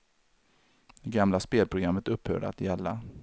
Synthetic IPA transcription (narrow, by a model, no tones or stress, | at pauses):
d̪ɛɡamlaspeːlpʰɾʊɡɾamːət̪ɵphœ̰ːɖəa̰t̪jɛlːa